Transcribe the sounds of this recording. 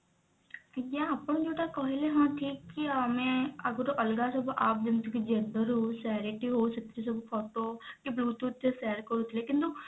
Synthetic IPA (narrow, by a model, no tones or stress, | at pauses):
kːd͡ʒãːapɽõːd͡ʒoːʈaːkɔɦeleːɦãːʈʰiːkːiaːmẽːəɡəɾoʔəlɡaːsəbaːp̚d͡ʒ̪ɪnt̪ukid͡ʒɛ̃nɖəɾɦoːsɛːɾɪʈiːɦoːsəkt̪is̬əbpʰɔːʈoːkibluːt̪uːt̪ʰːeːsɛːɾkəɾuːt̪ileːkɪnt̪u